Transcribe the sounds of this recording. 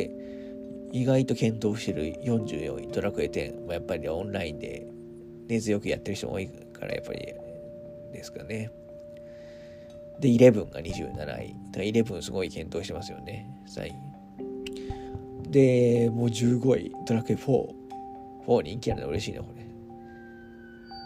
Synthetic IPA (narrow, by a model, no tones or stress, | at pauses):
iɡait̪o̞kẽ̞nt̪o̞ːɕit̪e̞ɾɯ̟̰jõ̞ɲ̟d͡ʑɨ̰ːjo̞̰ːɲid̪o̞ɾakɯ̟et̪ẽ̞̰ŋmajapːaɾʲiõ̞nɾaĩnd̪e̞̰ | ne̞zɨjo̞kɯ̟jat̪ːe̞ɾɯ̟çi̥t̪o̰i | kʰa̰ɾa̰ja̰pːa̰ɾʲḭ | d̪̥e̞sɨ̥kane̞ | d̪e̞iɾe̞bɯ̟̃ŋɡa̰ɲ̟iʑɨ̰ːnana̰ḭd̪akaiɾe̞bɯ̟̃ɰ̃sɨɡo̞ikẽ̞nt̪o̞ːɕi̥t̪e̞masɨjo̞̰ne̞ | sa̰ĩ | d̪e̞mo̞ːd͡ʑɨːɡo̞ḭd̪o̞ɾakɯ̟eɸo̰ː | ɸo̞ːɲʲĩŋkʲinaɾɯ̟no̰ɯ̟ɾe̞ɕiːnokoɾe